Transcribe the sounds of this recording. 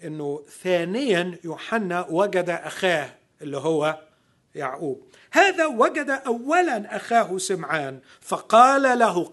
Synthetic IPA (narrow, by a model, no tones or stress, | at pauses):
ʔɪnːʊθaːnɪjanjuːħanːawaɡad̪aʔaxaːh | ʔɪlːiɦʊwːa | ja̰ʕʔuːb | haːðawaɡad̪aʔawːalanʔaxaːɦsɪmʕaːn | fɑqɑːlalaɦʊ